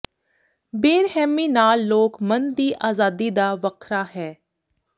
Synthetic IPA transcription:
beːɾɦɛːmiːnaːlːoːkmənd̪iːʔaːzaːd̪id̪aːʋəkʰɾaːɦɛː

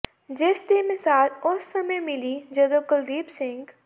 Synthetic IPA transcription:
d͡ʒɪst̪emɪsaːlʊsːɐməjmɪlid͡ʒɐd̪okəld̪iːbsɪ̃ŋɡ

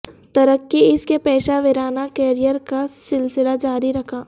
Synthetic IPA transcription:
t̪ɐɾəkːiɪskepɛːʃaʋɪɾaːnakɛːɾijəɾkasɪlsɪlad͡ʒaːɾiɾɐkʰaː

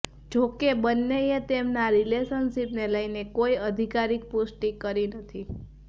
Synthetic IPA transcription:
d͡ʒokebənːeet̪emnaɾileʃənsipneləjnekojəd̪ʱikaɾik̚pʊsʈikəɾinət̪ʰi

